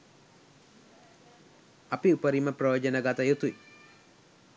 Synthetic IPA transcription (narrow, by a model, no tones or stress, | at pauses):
apiupəɾiməprojoːd͡ʒənəɡat̪əjut̪ui